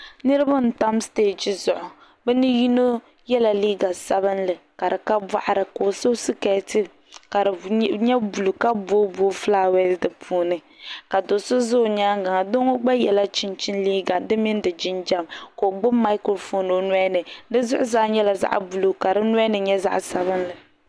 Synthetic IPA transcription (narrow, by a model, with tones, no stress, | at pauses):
nɨ˦ɾɨ˦ba˦n̩˨ta˦msteː˦d͡ʒi˨zʊ˨ʔʊ˨ | bɛ˦nɨ˦ji˦no˦ | jɛ˦la˨liː˦ɡa˨sa˦βɨ˦nlɨ˨ka˨dɨ˨ka˦ba̰˦ʔa˦˨ɾɨ˨ko˨so˦sɨ˦kɛ˨˦tɨ˦ | ka˨ɾɨ˨ɲɛ˦bu˨lu˨ka˦boː˦boː˦fla˦wɛ˦sdɨ˨pʰuː˦nɨ˨ | ka˨do˨sʊ˦zʊ˦˨ɲaː˦ŋɡa˨a˨do˦ŋo˦ɡ͡ba˦jɛ˨la˦t͡ʃɪ˦nt͡ʃɪ˦nliː˦ɡa˨dɨ˦mi˦n˦dɨ˨d͡ʒɪ˦nd͡ʒa˦mko˨ɡ͡bʊ˦mːa˦ɪ˦ko˦fo˨no˨n˦ɛ˦nɨ˨dɨ˦zʊ˦ʔʊ˦zaː˦ɲɛ˦la˨za̰˦ʔbu˨lu˨ka˨ɾɨ˦n˦nɨ˨ɲɛ˦za̰˦ʔsa˨βɨ˦nlɨ˨